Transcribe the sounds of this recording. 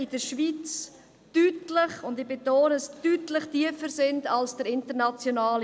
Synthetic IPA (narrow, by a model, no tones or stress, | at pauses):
ɪdəɾʃvit͡s | tytlɪχʊndɪbetoːnstytlɪχtiəfəɾsɪndalsd̥əɾɪntəɾnat͡sjonaːl